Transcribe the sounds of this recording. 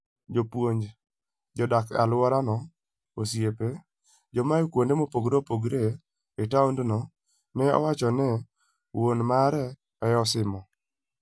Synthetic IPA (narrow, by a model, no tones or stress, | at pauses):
d͡ʒopwoɲd͡ʒ | d͡ʒɔdaka̰lwɔɾanɔ | osjepe | d͡ʒɔmajokwondemopoɡɾopoɡɾe | etaundnɔ | nɛɔ̰wat͡ʃɔnɛ | wonmaɾɛ | ɛjɔsɪmɔ